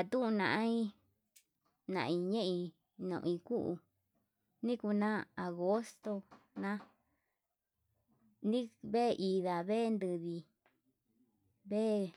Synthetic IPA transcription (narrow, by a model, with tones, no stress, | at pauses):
a˨t̪ũ˦ũ˧nã̰˧˨ʔã˦ĩ˦ | nã̰˨ʔĩ˧ɲẽ˦ʔĩ˧ | nõ̰˧ʔĩ˧ku˦ʔṵ˧ | nĩ˦ku˧nã˦a˨ɣo˦st̪o˧nã˦ | nĩ˦βe˦˧ʔi˧ða˨βe˦˧nd̪ɨ˧ði˧ | βe˦˧